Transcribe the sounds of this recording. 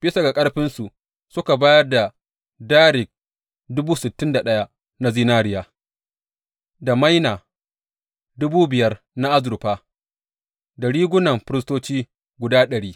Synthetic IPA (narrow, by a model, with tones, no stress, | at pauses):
bɪ˦sa˨ɡa˨kʼɐ˦ɽɸɪ˦nsu˨ | sʊ˦ka˨baː˦jɐ˦rda˨ | daː˦ɾɪ˨k̚ | dʊ˦buː˦sɪ˨tːɪ˦nda˨ɗɐ˦ja˦ | na˦ziː˦naː˦ɾɪ˦jaː˨ | da˨ma˦jnaː˨ | dʊ˦buː˦bɪ˨jɐ˦r | na˦ʔa˦zʊ˨ɾʊ˨ɸaː˦ | da˨ɽiː˦ɡʷʊ˦nɐ˨mɸɪ˦ɾɪ˦s̬toː˦t͡ʃiː˦ | ɡʷʊ˨daː˦ɗɐ˨ɽiː˦